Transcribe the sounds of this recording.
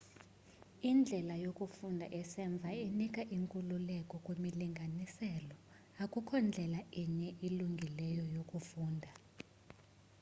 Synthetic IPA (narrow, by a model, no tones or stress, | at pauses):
ind͡ɮʱɛlajokʼufundʱa̰ʔɛsɛɱb̪vʱainikʼaʔiŋkʼululɛkʼɔkʼwemiliŋɡʱanisɛlɔ | akʼukʰɔnd͡ɮʱɛlaiɲɛʔiluŋɡʱilɛjɔjokʼufuːndʱa